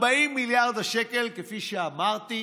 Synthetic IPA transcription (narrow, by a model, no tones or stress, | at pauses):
baimːiljaʁd̪aʃeke̞lkefiʃeamaʁt̪i